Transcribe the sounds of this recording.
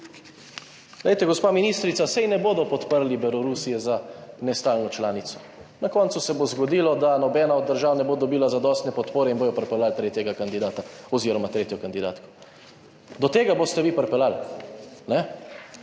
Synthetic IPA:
ɡlejt̪ɛɡɔspaːminist̪ɾit̪sasɛjnɛboːd̪ɔpɔt̪pəɾlibɛlɔɾusijɛzanɛst̪aːlnɔt͡ʃlaːnit̪sɔ̥ | nakɔnt̪susɛbozɡɔd̪iːlɔd̪anɔbɛːnaɔd̪̚ːəɾʒaːwnɛbod̪ɔbiːlazad̪ɔst̪nɛpɔt̪poːɾɛinboːjɔpɾɛpɛlalt̪ɾeːt̪jɛɡakand̪id̪aːt̪aɔziːɾɔmat̪ɾeːt̪jɔkand̪id̪aːt̪kɔ̥ | d̪ɔt̪eːɡabost̪ɛʋipɾpɛlal | nɛ

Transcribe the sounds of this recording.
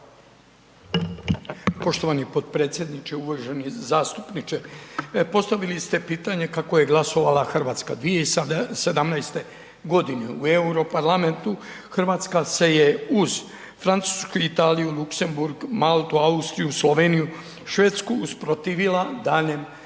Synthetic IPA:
po̞ʃt̪o̞ʋanipo̞d̪pɾe̞ːt̪sʲjed̪nit͡ʃeuʋaʒenizaːst̪u̥pnit͡ʃepo̞st̪aʋilist̪e̞piːt̪aɲe̞kako̞je̞ɡlˠaso̞ʋalaxrʋaːt̪ska̰d̪ʋijeise̞d̪amnajst̪e̞ | ɡo̞d̪ineue̞uɾo̞paɾlame̞nt̪u | xr̩ʋaːt̪skase̞je̞uz | fɾant̪suːskuit̪aːlijulukse̞mbuɾɡmalˠt̪uaust̪ɾijuslˠo̞ʋe̞niju | ʃʋe̞ːt̪skuːspɾot̪iːʋilad̪aːʎem

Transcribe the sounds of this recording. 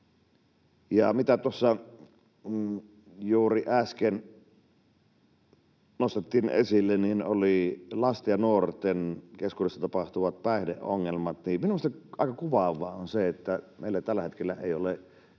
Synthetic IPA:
jɑmit̪æt̪uosːɑ | juːriʔæsken | nost̪et̪ːiːnʔḛsilːenninolilɑst̪ɑjɑnuort̪enkeskuːdesːɑt̪ɑpɑht̪uʋɑt̪̚pæˑehdḛʔʔo̰ŋːelmɑt̪niminumːˑost̪ɑɑ̰ˑikɑkuʋɑʋˑɑːonseet̪ːæmeˑilːæt̪ælːæhet̪kelːæḛˑiole

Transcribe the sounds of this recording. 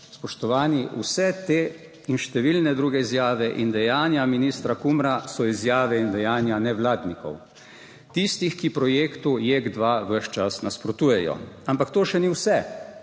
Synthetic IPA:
spɔʃt̪ɔʋaːniṵsɛt̪eː | inʃt̪ɛʋilnɛd̪ɾuːɡɛizjaːʋɛʔind̪ɛjaːnjaminist̪ɾakumɾasɔizjaːʋɛind̪ɛjaːnjanɛʋlaːd̪nikɔ̰w | t̪ist̪ixkipɾɔjeːkt̪ujeɡd̪ʋaʋəʃt͡ʃasnaspɾɔt̪uːjɛjɔ̰ampakt̪oːʃɛniwsɛ

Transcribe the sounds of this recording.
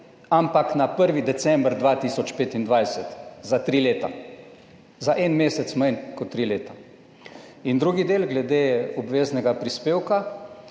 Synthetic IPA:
ampaknapəɾʋid̪ɛsɛmbɾd̪ʋaːt̪iːsɔt͡ʃpeːt̪ind̪ʋajsɛt̪zat̪ɾiːleːt̪a̰ | zaʔɛnmeːsɛt̪smajnkɔt̪ːɾiːleːt̪a | ind̪ɾuːɡid̪eːlɡlɛd̪eːɔbʋeːznɛɡapɾispeːwka

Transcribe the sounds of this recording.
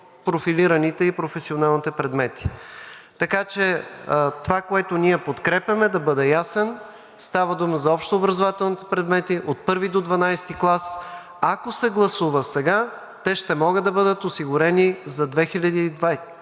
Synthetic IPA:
pɾofiliɾɐnit̪ɛipɾofɛsionalˠnit̪ɛpɾɛd̪mɛt̪i̥t̪ɐkat͡ʃɛt̪ovakoɛt̪onʲiɛpot̪kɾɛpʲjɐmɛd̪ɐbɤd̪ɛjasɛn | st̪avɐd̪uməzɐɔpʃt̪oːbɾɐzovat̪ɛlˠnit̪ɛ̥pɾɛd̪mɛt̪iʔot̪̚pɤɾvid̪od̪vɐnajst̪iklˠas | akosɛɡlˠɐsuvəsɛɡa | t̪ɛʃt̪ɛmɔɡəd̪ːɐbɤd̪ət̪osiɡʊɾɛnizɐd̪vɛxilʲɐd̪iːd̪vaj

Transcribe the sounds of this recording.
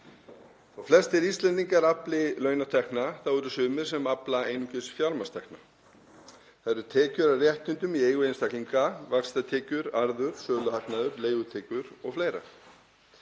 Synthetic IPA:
θawflɛst̪ɛɾist̪lɛnt̪ːiŋkaɾaplɪlœːɥnat̪ʰɛhknaθawɛɾʏsʏːmɪɾ̥sɛmaplaeːjnucɪsfjaɾmast̪ʰɛhkna | θaɾʏɾ̥t̪ʰɛːcʏɾarjɛht̪ʏnt̪ʏmiejɣʏejnst̪akliŋkavakst̪at̪ʰɛːcʏɾaɾðʏɾ̥sœːlʏhaknaðʏɾleːjɣʏt̪ʰɛːcʏɾɔɣfleːjɾa̰

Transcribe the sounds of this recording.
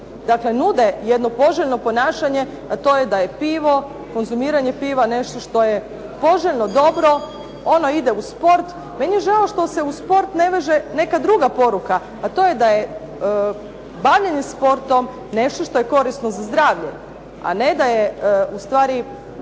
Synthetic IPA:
d̪akle̞nud̪ejed̪no̞po̞ʒeʎno̞po̞naːʃaɲe̞ | at̪o̞ːjed̪ajepiːʋo̞ | ko̞nzumiːɾaɲe̞piːʋane̞ʃt̪o̞ʃt̪o̞je | po̞ʒeʎno̞d̪o̞bɾo̞ | o̞noid̪e̞uspo̞ɾt̪ | me̞nijeʒaloʃt̪o̞se̞uspo̞ɾt̪ne̞ʋe̞ʒene̞kad̪ɾuɡapo̞ɾuka | at̪o̞jed̪aje | baʋʎeɲespo̞ɾt̪o̞m | ne̞ʃt̪o̞ʃt̪o̞jeko̞ɾisnozazd̪ɾaːʋʎḛ | a̰ned̪ajeust̪ʋaːɾi

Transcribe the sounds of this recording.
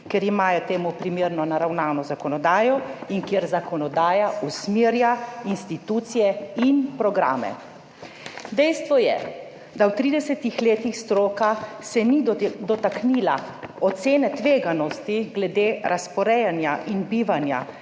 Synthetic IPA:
kɛɾimaːjɔt̪eːmupɾimeːɾnɔnaɾawnaːnɔzakɔnɔd̪aːjɔinkjeɾzakɔnɔd̪aːjausmeːɾjainst̪it̪uːt̪sijɛinpɾɔɡɾa̰ːmɛ̰ | d̪ɛjst̪ʋɔjɛ̰ | d̪awt̪ɾiːd̪ɛsɛt̪ixleːt̪ixst̪ɾoːkasɛnid̪ɔt̪aknilaɔt̪seːnɛt̪ʋeːɡanɔst̪iɡlɛd̪eːɾʔaspɔɾɛjanjaʔinbiːʋanja̰

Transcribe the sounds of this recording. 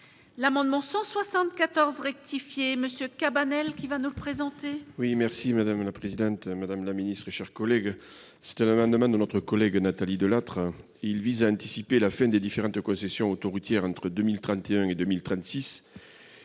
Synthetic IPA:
lamɑ̃d̪mɑ̃sɑ̃swasɑ̃t̪̚kat̪ɔʁzʁɛk̚t̪ifjeməsjøkabanɛlkʲivanuləpχezɑ̃t̪ewimɛʁsimad̪amlapχezid̪ɑ̃t̪mad̪amlaminist̪χeʃɛʁkɔlɛɡ | sɛ̥t̪ɛ̃namɑ̃d̪mɑ̃d̪ənɔt̪χəkɔlɛɡnat̪alid̪əlat̪χ | eilvizaɛ̃t̪isipelafɛ̃d̪ed̪ifeʁɑ̃t̪kɔ̃sɛsjɔ̃ot̪oʁut̪jɛʁɑ̃t̪χəd̪ømilt̪χɑ̃t̪eɛ̃ed̪ømilt̪χɑ̃t̪sis

